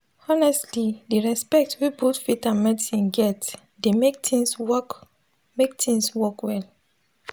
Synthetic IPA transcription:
ɔnɛstʰlideɹɛspɛk̚twibotfitãnmɛtsĩnɡɛt | demek̚tʰĩŋswɔk | mek̚tʰĩŋswɔkwɛl

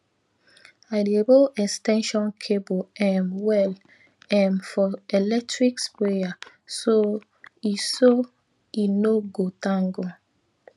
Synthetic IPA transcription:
ajdeboʔɛstɛ̃nʃɔ̃nkʰeboɛmwɛl | ɛ̃mfɔɛlɛk̚tɹikspeja | so | iso | inoɡotãŋɡo

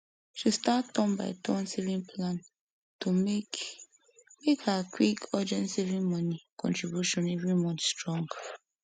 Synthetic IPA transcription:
ʃistatɔ̃mba̰ɪtʰɔ̃nsevĩnpʰlãn | tum | mekakwikɔd͡ʒɛ̃nsevĩnmɔnikɔ̰̃ntɹibjuʃɔ̃nevɾimɔnistɹɔ̃ŋɡ

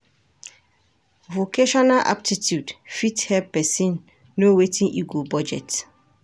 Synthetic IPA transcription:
vokeʃɔnaʔa̰p̚titjudfithɛlpːɛsĩnː | owetĩnʔiɡobɔd͡ʒɛ̰t

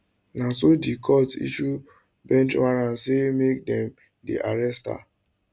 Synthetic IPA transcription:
nãsodikʰɔtḭʃu | bɛ̃nt͡ʃwaɹãnsemek̚dɛ̃m | dḛʔaɹɛsta̰

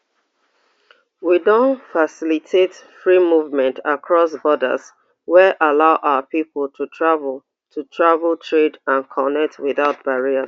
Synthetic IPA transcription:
widõnfasilitʰetfɹimuvmɛ̃ntʰakʰɹɔsbɔdə̰z | wɛʔalaʊʔaʊəpipl̩ˠtʰutʰɹavl | tʰutʰɹavltʰɹedãnkʰɔnɛk̚tʰwiðaʊt̚b̥aɹia

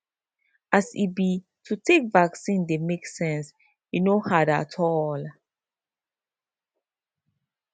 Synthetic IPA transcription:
asḭbi | tʰutʰekvaksĩndemeksɛ̃ns | junohada̰tʰɔl

